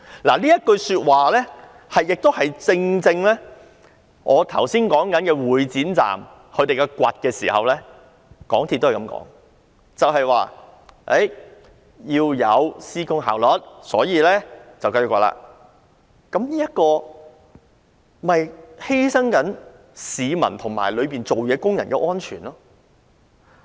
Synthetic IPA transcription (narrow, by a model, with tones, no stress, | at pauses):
la̰ː˨˩liː˥jɐ˥t̚kɵ˧ɥsyː˧t̚waː˨lɛː˥ | hɐ˨jːɪ˨k̚t̪o˥whɐ˨jt͡sɪ˧ŋt͡sɪ˧ŋlɛː˥ | ʔɔː˨˧t̪ʰɐ˨˩wsiː˥nkɔː˨˥ŋkɐ˨˦nkɛː˧wuː˨˩jt͡siː˨˥nt͡sa̰ː˨m | kʰɵ˨˧ɥt̪e˨jkɛ˧kʷɐ˨t̚kɛː˧sḭː˨˩hɐ̰˨wlɛː˥ | kɔ̰ː˨˥ŋt̪ʰi˨t̪̚ːo˥whkɐ̰˨˧mŋkɔ̰ː˨˥ŋ | t͡sɐ˨wɦɐ˨jwaː˨ | e˨˥j | jiː˧wjɐ˨˧wsiː˥kʊ˥ŋɦa̰ː˨wlɔ˨˥t̚sɔ̰ː˨˥jiː˨˧lɛː˥t͡sɐ˨wkɐ˥jʊ˨kwa̰˨la̰ː˧˥ | kɐ˨˥mniː˥jɐ˥t̚kɔː˧ | mɐ˨jhe˥jsɐ˥ŋkɐ˨˥n | siː˨˧mɐ˨˩nt̪ʰʊ˨˩ŋma̰ː˨˩jlɵ˨˧ɥpiː˨nt͡so˨wjɛː˨˧kʊ˥ŋjɐ˨˩nkɛː˧ʔɔː˥nt͡ʃʰyː˨˩nlɔː˥